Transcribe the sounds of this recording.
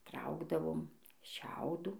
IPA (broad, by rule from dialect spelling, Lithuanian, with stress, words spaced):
ˈtrɐʊɡdɐʋoːm ˈʃʲɛʊduː